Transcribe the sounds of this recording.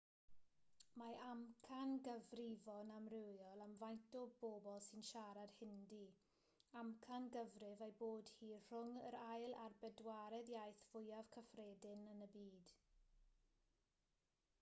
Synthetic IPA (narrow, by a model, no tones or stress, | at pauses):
maamkʰanɡəvrɪvɔnamrɪwjɔlˠamvajnt̚d̥oboːbɔlˠsɪnʃaɾad̥hɪndi | amkʰanɡəvrɪvajboːd̥hiːr̥ʊŋə̰ɾajlˠarbɛdwaɾɛðjajθv̥ʊjav̥kʰəfreːdɪnənəbiːd̥